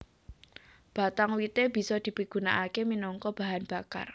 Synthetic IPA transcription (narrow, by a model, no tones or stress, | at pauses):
b̥a̤t̪aŋwit̪eb̥i̤sɔd̪̥i̤piɡ̥ṳnaʔakeminɔŋkɔb̥a̤ɦanb̥a̤ka̰r